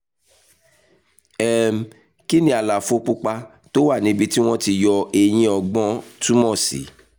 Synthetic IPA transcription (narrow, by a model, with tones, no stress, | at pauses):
ɛ˦˨m˨ | ki˦nĩ˦a˨la˨fo˧k͡pu˦k͡pa˧ | to˦wa˦˨nĩ˨˦bi˧ti˦w̃ɔ̃˦ti˧jɔ˧e˧j̃ĩ˧˦ɔ˧ɡ͡bɔ̃˦tu˦mɔ̃˦˨sḭ˨˦